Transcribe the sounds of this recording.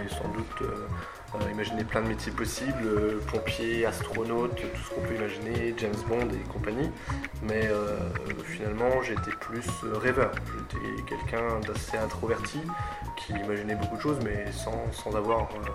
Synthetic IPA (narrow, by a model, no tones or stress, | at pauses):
ɛsɑ̰̃d̪ut̪ø̰ | øimaʒineplɛ̃d̪əmet̪ʰjepɔsibløpɔ̃pjeast̪χχɔnot̪t̪u̥sə̥kɔ̃pøimaʒined͡ʒɛmzbɔ̃d̪ekɔ̃paɲimɛøfinalmɑ̃ʒeːt̪eplysøʁɛvœːʁʒet̪ʰḛkʲɛlkʰʲɛ̃d̪aseɛ̃t̪χɔvɛʁt̪ʰi | kʲʰiːmaʒinɛbokud̪əʃozmɛsɑ̃sɑ̃zavwaʁ